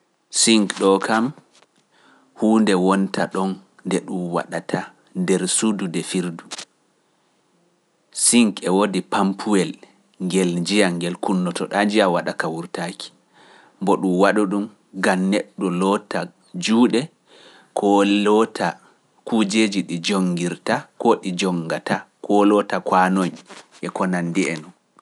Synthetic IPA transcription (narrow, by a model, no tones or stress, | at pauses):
siŋkɗɔkʰam | huːndɛwɔntʰaɗɔn | ndɛɗumwa̰ɗatʰa | ndɛɾsududɛfiɾdu | siŋkɛwodipampʰuwɛl | ŋɡɛld͡ʒijaŋɡɛlkunːɔtɔɗad͡ʒiawaɗakawuɾtaki̥ | mbɔɗumwaɗuɗum | ɡamnɛɗːɔlɔta | d͡ʒuːɗɛ | kʰɔlɔtʰa | kud͡ʒed͡ʒiɗid͡ʒoŋɡiɾtakɔɗid͡ʒɔŋɡatakʰɔlɔtakwanoɲʔɛkɔnandiɛnɔn